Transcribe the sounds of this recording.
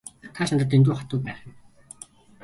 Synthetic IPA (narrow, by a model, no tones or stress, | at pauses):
t̪ʰaʃant̪ə̆t̪̬ent̪̬uːχat̪ʊːpæːχ̆